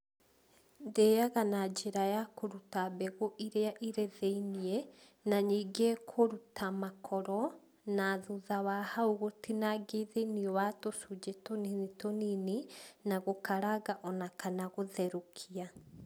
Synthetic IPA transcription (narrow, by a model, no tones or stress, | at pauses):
ndejaɣanad͡ʒeɾajakoɾutabɛɣoʔiɾeaʔiɾeðeiniɛ | naɲiɡekʰoɾutʰamakʰɔɾɔ | naðuðawahauɣotʰinaɡeðeniɔwatosud͡ʒetoninitonininaɣokʰaɾaɣaʔɔnakanaɣoðɛɾokʰia